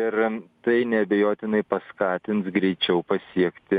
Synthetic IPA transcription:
ɪɾt̪ɐɪnʲɛɐbʲɛjoːt̪ʲɪnɐɪpɐskɑːt̪ʲɪnt̪sɡɾʲɛɪt͡ʃʲɛʊpɐsʲiɛkt̪ʲɪ

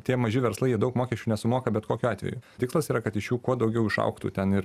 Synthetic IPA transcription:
t̪ʲiɛmɐʒʲɪʋʲɛɾslˠɐɪjiɛdɐʊkmoːkʲɛʃʲt͡ʃʲuːnʲɛsʊmoːkɐbʲɛt̪koːkʲuɑːt̪ʲʋʲɛ̰jṵt̪ʲɪkslˠɐsiːɾɐkɐt̪ɪʃjuːkuɔd̪ɐʊɡʲɛʊɪʃɐ̰ʊkt̪ṵt̪ʲɛnɪɾ

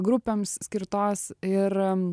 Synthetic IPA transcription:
ɡɾʊpʲeːmssʲkʲɪɾt̪oːsɪɾ

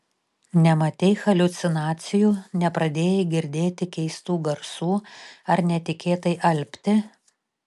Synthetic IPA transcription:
nʲɛmɐt̪ʲɛɪxɐlʲʊt̪sʲɪnɑːt̪sʲɪjuːnʲɛpɾɐd̪ʲeːjɛɡʲɪɾʲd̪ʲeːt̪ʲɪkʲɛɪst̪uːɡɐɾsuːɐɾnʲɛt̪ʲɪkʲeːt̪ɐɪʔɐlʲpʲt̪ʲɪ

